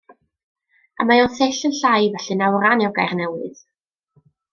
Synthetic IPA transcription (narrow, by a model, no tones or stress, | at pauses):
a̰majɔnθɪɬənɬajvɛɬɨnawɾanɛwɡajrnɛwɨð̥